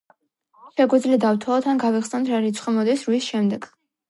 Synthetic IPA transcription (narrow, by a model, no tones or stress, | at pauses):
ʃɛɡɛd̪zlɛd̪avt̪ʰɔɔt̪ʰanɡavɛχsɛnt̪ʰɾaɾit̪sʰχɛmɔd̪isɾwisʃɛmd̪ɛɡ